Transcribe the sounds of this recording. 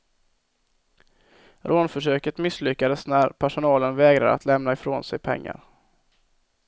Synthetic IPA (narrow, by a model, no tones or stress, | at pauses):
ɾʔoːnfœʂøːkət̪mɪslʏkːad̪əsnæɾpʰæʂʊnɑːlənvɛːɡɾa̰d̪ə̰a̰t̪ʰlɛmnaɪfɾoːnsɛjpʰɛ̰ŋːa̰ɾ